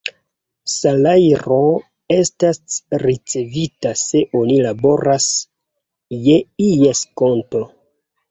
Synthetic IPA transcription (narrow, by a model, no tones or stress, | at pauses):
salajɾo̞ | e̞stasɾit͡se̞vitase̞ʔo̞nilabo̞ɾas | je̞ijesko̞nto̞